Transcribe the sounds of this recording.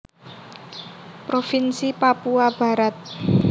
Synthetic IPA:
pɾofinsipapuab̥a̤ɾat̪̚

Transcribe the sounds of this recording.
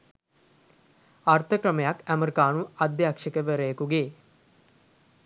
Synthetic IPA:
art̪ʰəkrəməjakæməɾikaːnuad̪jɐakʂekəʋəɾəjəkuɡeː

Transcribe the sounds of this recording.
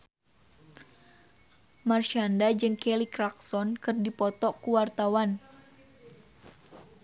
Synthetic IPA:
marʃandad͡ʒɨŋkɛlikɾaksɔnkɨrdipɔt̪ɔkuwart̪awan

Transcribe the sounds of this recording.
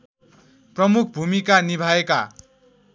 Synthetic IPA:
prʌmukʰbʱumikanibʱaeka

